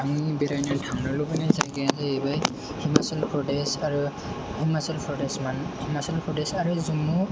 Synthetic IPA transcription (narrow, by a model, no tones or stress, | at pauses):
aŋibɛɾajnɔtʰaŋnɔlɔbanazajɡɛazɛejbaj | himasɔlpʰɹɔdɛsaɹu | himasɔlpʰɹɔdɛsmanhimasalpʰɔdɛsaɹuzumu